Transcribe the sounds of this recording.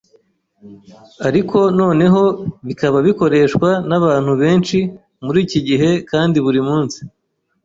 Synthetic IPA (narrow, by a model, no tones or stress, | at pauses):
aɾikʰo̞no̞ːne̞ɦo̞βikaβaβiko̞ɾe̞ːʃkwanaβaːn̥huβe̞ːnt͡ʃi | muɾiːciɟiɦe̞kaːndiβuɾimuːnsi̥